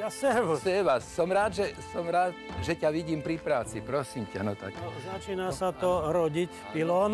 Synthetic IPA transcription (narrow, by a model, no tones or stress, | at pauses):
jasɛʋsɛʋasɔmɾaːd̪ʒɛsɔmɾaːd̪ʒɛcaʋiɟiːmpɾipɾaːt͡sipɾɔsimca̰nɔt̪a̰kɔzat͡ʃiːnasat̪ɔɾɔɟicpilɔːn